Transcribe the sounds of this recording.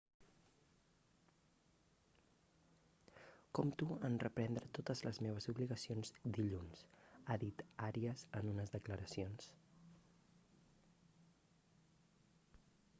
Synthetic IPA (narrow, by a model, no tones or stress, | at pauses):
kɔmt̪uənrəpɾɛnd̪ɾət̪ot̪əzləzmeβ̞əzuβliɣəsionzd̪iʎunsaðit̪aɾiəzənunəzðəkləɾəsions